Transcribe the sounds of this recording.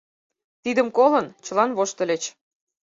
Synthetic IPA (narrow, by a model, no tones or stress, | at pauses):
t̪id̪əmkolənt͡ɕə̆lɑnβoʃt̪ə̆let͡ɕ